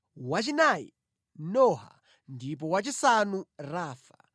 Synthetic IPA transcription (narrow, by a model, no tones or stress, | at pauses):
wat͡ʃinajḭ | nɔɦa̰ | ndipɔwat͡ʃisanuraːfa